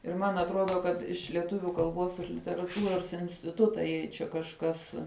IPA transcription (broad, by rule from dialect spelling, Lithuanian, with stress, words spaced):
ɪr ˈmɐn ɐtˈroːdoː kɐt ɪʃ lʲɛˈtʊʋʲʊ kɐlˠˈboːs ɪr lʲɪtʲɛrɐˈtuːroːs ɪnʲsʲtʲɪˈtʊtɐ jɛɪ ˈt͡ʃʲɛ kɐʃˈkɐs